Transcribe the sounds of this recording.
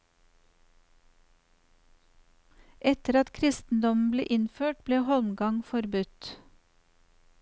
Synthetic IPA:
ʔɛt̪əɾɑt̪kʰɾɪst̪n̩d̪ɔm̩blḛːʔɪnføːʈ̚bleːhɔlmɡɑŋfɔɾbʉt̪

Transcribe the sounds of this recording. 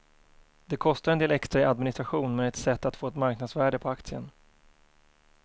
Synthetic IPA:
d̪̥ɛkʰɔst̪aɾɛnd̪eːlɛkst̪ɾaad̪mɪnɪst̪ɾaɧuːnmɛɛt̪sɛt̪ːat̪foːɛt̪maɾknad̪svæːɖəpʰɔak̚t̪sɪən

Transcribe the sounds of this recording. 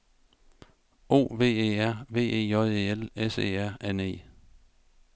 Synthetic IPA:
o̝̰ːʋe̝̰ːḛːæɐ̰ʋe̝̰ːe̝̰ːɒðˠe̝ːelesḛːæɐ̰ene̝̰ː

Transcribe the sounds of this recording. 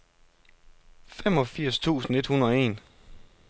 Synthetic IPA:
fem̰ɒ̽fiɐ̰st͡sʰṵːsn̩e̝d̥hunəð̩ˠɒe̝̰ːn

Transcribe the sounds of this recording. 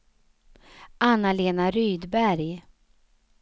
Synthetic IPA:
ʔanːaleːnaɾyːd̪bæɾj

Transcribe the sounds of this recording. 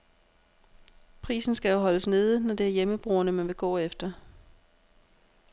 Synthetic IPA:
pʰʁḭːsn̩sɡ̥æjo̝ɦɒ̽ləsne̝ːð̞ˠnɒd̥e̝æɐjeməb̥ʁuːɐnəmænʋe̝ɡ̥ɔ̰̽ːefd̥ɐ

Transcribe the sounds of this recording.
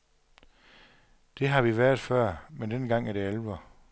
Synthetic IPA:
d̥e̝ɦɑ̈ʋiʋæɐðˠfɶɐ̰mend̥enɡ̥ɑ̈ŋ̰æɐɾ̥eælʋɐ

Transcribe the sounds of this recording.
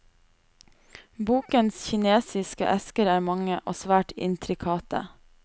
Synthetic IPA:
buːkənsçɪneːsɪskə̰ʔɛskəɾæːɾmɑŋəʔoːsʋæːʈɪ̰nt̪ʰɾɪkʰɑːt̪ʰə̰

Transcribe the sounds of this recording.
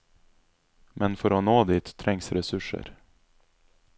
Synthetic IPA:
mʔɛnfœɾɔnoːd̪ɪt̪ʰːɾɛŋsɾɛsɵʂə̰ɾ

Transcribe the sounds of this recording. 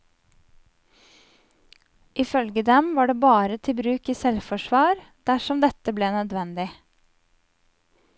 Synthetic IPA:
ʔɪfœlɡəd̪ɛmʋɑːɖeːbɑːɾət̪ʰɪbɾʉːkiːsɛlfɔʃʋɑːɾd̪̥æʃɔmd̪ɛt̪əbleːnœd̪ʋɛnd̪ɪ

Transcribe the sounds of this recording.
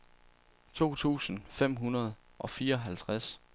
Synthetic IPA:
t͡sʰo̝̰ːt͡sʰṵːsn̩fem̰ɦunɐð̞ˠ | ʔɒ̽fiːɐɒ̽ɦælt͡sʰʁas

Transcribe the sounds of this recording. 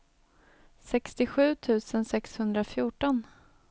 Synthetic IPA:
sɛkst̪ɪɧʉ̟ːt̪ʰʉ̟ːsənsɛkshɵnd̪ɾafjuːʈɔn

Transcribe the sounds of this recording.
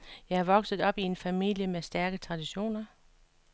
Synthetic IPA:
jɑ̈ɪhɑ̈ʋɒ̽ɡ̥sð̩ˠɒ̽b̥ie̝nfæmḭl̰jəmesd̥æɐɡ̥ət͡sʰʁɑ̈d̥iɕo̝̰ːnɐ

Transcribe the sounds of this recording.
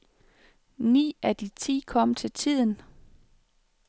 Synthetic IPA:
nḭːæd̥it͡sʰḭːkʰɒ̽m̰t͡sʰe̝lt͡sʰið̰ˠn

